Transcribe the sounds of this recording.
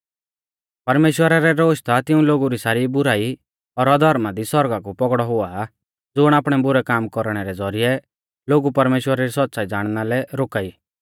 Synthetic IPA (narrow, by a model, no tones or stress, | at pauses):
pɐɾmeːʃwəɾaɾɛɾoːʃt̪ʰat̪ɪũloːɡuɾisaːɾibʊɾaːi | ɔɾɔd̪ʱɔɾmad̪isɔɾɡakupɔɡɽɔɦʊa | d͡zʊɽ̃aːpɽ̃ɛbʊɾɛkaːmkɔɾɽ̃ɛɾɛd͡zɔɾijɛ | loːɡupɐɾmeːʃwəɾaɾisɔt̪̚ːsaːid͡zaːɽ̃nalɛɾoːkaiː